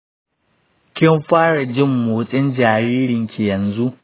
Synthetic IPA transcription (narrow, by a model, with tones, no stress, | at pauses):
kʲɪ˦mɸaː˦ɽa˨d͡ʒɪ˦mːuː˨˦sʼɪ˦nd͡ʒaː˨ɾiː˦ɾɪ˨ŋkʲi˨jɐ˨nzu˦ʔ